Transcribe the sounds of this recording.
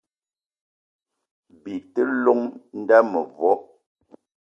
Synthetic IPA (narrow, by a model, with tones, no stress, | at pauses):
bi˨tə˦lɔ˦ŋn̩˦da˦mə˨vɔ˨˦